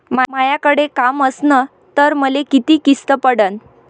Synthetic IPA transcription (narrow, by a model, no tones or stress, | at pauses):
mamajakəɽekaməsnə | t̪əɾməlekit̪iːkist̪əpəɽən